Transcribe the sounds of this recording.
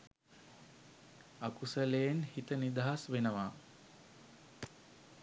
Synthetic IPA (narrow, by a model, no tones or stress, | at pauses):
akusəlejenhit̪ənid̪aɦasʋenəʋaː